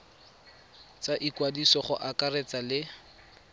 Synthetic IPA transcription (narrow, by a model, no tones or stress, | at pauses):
t͡saʔikwadisɔχʊ̰ʔakaret͡salɪ